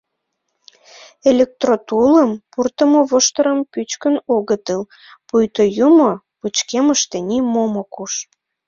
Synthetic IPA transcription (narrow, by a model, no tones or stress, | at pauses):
elʲek̚t̪rot̪uləmpurt̪əmoβoʃt̪əɾəmpyt͡ɕkənoɣət̪ɨl | pujt̪ojumo | put͡ɕkeməʃt̪enimomokuʃ